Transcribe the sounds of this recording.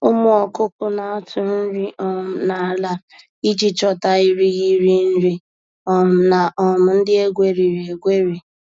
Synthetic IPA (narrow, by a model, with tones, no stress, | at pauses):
ʊ˦mʊ˦ɔ˨kʊ˦pʊ˦na˨a˦tʰʊ˨n̩˦ɾi˦ʔɔ˨m̩˨na˨la˦ | i˦d͡ʒi˦t͡ʃɔ˨ta˨i˦ɾi˦ɣi˦ɾi˦n̩˦ɾi˦ | ɔ˨m̩˨na˨ʔɔ˨m̩˨n̩˦dɪ˦e˦ɡʷe˨ɾi˨ɾe˨ɡʷe˦ɾi˨